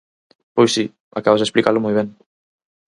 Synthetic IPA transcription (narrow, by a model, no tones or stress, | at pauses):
pojsi | akaβazðesplikaɾlʊmojβ̞eŋ